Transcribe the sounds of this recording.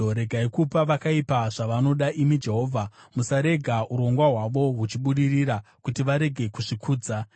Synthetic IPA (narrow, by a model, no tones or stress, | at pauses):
ɾe̞ɡʱaikupaʋakaipaʐaʋano̞ɗaʔimid͡ʒe̞ɦo̞ːvʱamusaɾe̞ɡʱaʔuɾo̞ŋɡwaɦwaʋo̞ɦut͡ʃiɓuɗiriɾa | kutiʋaɾe̞ɡʱe̞kuʐikʰuːd͡za